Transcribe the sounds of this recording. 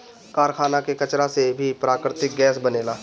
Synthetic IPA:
kaːɾkʰaːnakekɐt͡ʃɾasebʱipɾaːkɾɪt̪ɪk̚ɡɛːs̬bɐneːlaː

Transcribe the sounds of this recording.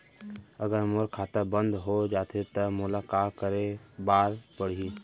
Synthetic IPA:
əɡəɾmoɾkʰaːt̪abə̃nd̪ɦod͡ʒaːt̪ʰet̪əmʊlakaːkəɾebaːɾpəɽ̤i

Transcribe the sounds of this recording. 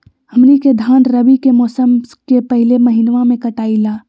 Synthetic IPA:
hɐmniked̪ʱaːnɾɐbikemɔːsəmkepɐɦɪlemɐɦɪnʋãmẽkɐʈaːilaː

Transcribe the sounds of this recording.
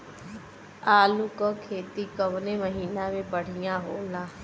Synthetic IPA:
aːlukəkʰeːt̪iːkəʋneːməɦiːnãːʋeːpəɽ̤ijãːɦoːlãː

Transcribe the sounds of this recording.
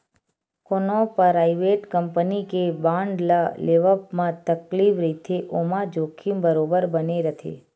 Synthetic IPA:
konopɾaiʋeʈkəmpənikebãɳɖlaleʋəpmãt̪əklifɾit̪ʰeʔomãd͡ʒokʰimbəɾobəɾbəneɾət̪ʰḛ

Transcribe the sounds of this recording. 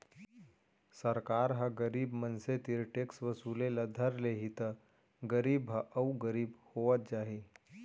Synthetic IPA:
səɾkaːɾɦəɡəɾiːbmənset̪iɾʈeksʋəsuːleləd̪ʱəɾleɦit̪ə | ɡəɾiːbɦəʔɐuɡəɾiːbhoʋət̪̚d͡ʒaːɦi

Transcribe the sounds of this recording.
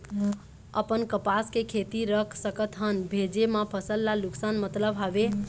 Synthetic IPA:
ə̰pənkəpaskekʰet̪iɾəkʰsəkət̪ɦənbʱed͡ʒemãpʰəsəlːaluksanmət̪ləbʱɦabe

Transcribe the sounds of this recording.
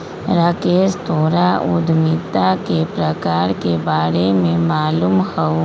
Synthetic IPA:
ɾakeːst̪oːɾaʊd̪ʱmiːt̪akepɾɐkaːɾkebaːɾemẽmaːluːmhəw

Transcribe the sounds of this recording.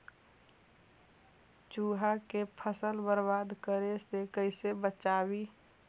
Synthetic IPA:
t͡ʃuːɦakepʰəsəlbəɾbad̪kəɾesekəɪsebət͡ʃaːbi

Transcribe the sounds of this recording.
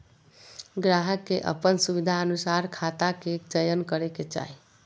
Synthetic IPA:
ɡɾaɦəkːeʔə̰pənsubid̪ʱaənusaɾkʰat̪aket͡ʃəjənkəɾeket͡ʃa̰ɦi

